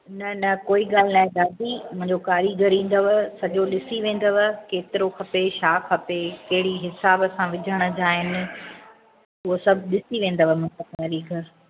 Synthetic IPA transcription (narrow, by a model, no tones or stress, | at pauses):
nɐnɐkoːiɡaːl̤ɪnaːẽd̪aːd̪imʊ̃ɦɪ̃ɲd͡ʑokaːɾiɡʱɐɾĩːn̆d̪oʋəsɐʄoɗɪsiʋẽːn̆d̪ɐʋəkeːt̪ɪɾoxɐpeʃaːxɐpekɐɦɪɽiɦɪsaːbɐsãʋɪd͡ʑʱəɽ̃əd͡ʑaːɦɪnɪ̆ | ʊɦosɐbʱɗɪsiʋẽːn̆d̪əʋəmɐ̃ɲd͡ʑokaːɾiɡʱɐɾ